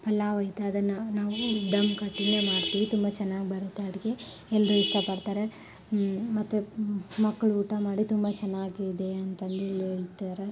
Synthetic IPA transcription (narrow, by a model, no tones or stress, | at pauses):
pɐlːaːʋɐjt̪ɐɐd̪ɐnːɐnaːʋud̪ɐmkɐʈːineːmaːɖt̪iːʋit̪umbɐt͡ʃɛnːaːɡibɐɾt̪ːeɐɽike | ɛlːɾɐist̪ɐpɐɽt̪aːɾe | mɐt̪ːumɐkːɐɭuːʈamaːɽit̪umbɐt͡ʃɛnːaːɡid̪eɐnt̪ɐnd̪uilːeːɭt̪aɾe